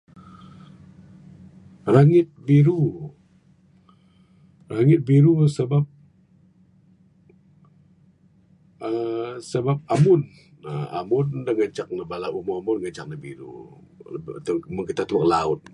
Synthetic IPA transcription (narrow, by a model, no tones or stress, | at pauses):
raŋɪt̪̚biɾu | raŋɪt̪̚biɾusəbap̚ | əsəbap̚amʊn | əa̰mʊndəŋət͡ʃak̚nəbalaumoamʊnŋət͡ʃa̰k̚nəbḭɾṵ | t̪məkit̪at̪umak̚laʊt̪̚